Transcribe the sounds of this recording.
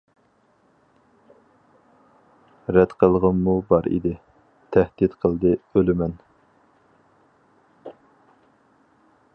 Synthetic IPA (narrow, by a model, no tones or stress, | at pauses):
ɾɛt̪qʰəlˠʁəmːubɑɾḭd̪ɪ | t̪ʰæhd̪it̪qʰəlˠd̪ɨølɪmɛn